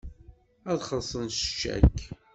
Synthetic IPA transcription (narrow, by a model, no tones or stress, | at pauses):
æðχəsˤənst͡ʃːæ̰kː